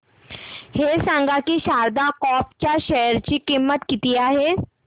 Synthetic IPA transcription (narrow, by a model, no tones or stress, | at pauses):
hesə̃ŋɡʱakiʃaːɾd̪akɔːpt͡ʃaʃɛɦəɾt͡ʃikɪmːət̪kɪt̪ijaɦɛː